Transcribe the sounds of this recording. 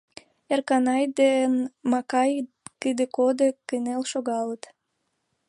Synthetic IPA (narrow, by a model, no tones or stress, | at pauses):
erkɑnɑjd̪enmɑkɑj | kəd̪ekod̪ekənelʃoɣɑlət̪